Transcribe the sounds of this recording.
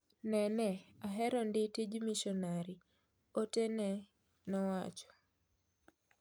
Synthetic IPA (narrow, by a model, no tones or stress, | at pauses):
nɛnɛaɦɛɾɔndɪtid͡ʒmiʃɔnaɾi | otenɛ | nɔwa̰t͡ʃɔ̥